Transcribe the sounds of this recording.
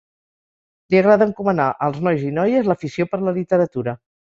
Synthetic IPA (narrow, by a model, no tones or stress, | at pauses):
liəɣ̞ɾaðəŋkumənaʔəlˠznɔjzinɔjəzləfisiopəɾləlit̪əɾət̪uɾə